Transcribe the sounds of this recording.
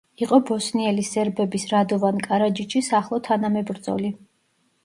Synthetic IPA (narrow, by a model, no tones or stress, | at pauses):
iqʼɔbɔsniɛlisɛɾbɛbisɾad̪ɔvankʼaɾad͡ʒit͡ʃʰisaχlˠɔt̪ʰanamɛbɾd̪zʼɔ̰li